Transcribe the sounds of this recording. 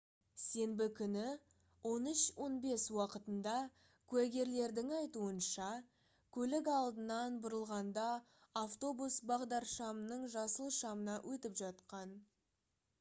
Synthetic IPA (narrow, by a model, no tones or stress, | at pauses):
se̞mbɪkʲʰʏnɪ | wo̞nʏʃwo̞nbe̞swɑqət̪ənd̪ɑ | kʲʰʉæɡʲe̞ɾle̞ɾd̪ɪŋɑjt̪uənʃɑ | kʲʰɵlɪkɑlˠd̪ənɑnbʊɾəlˠʁɑnd̪ɑː | ft̪o̞busbɑʁd̪ɑɾʃɑmənəɴʒɑsəlˠʃɑmənɑʔwʔɵt̪ɪpʒɑt̪qɑn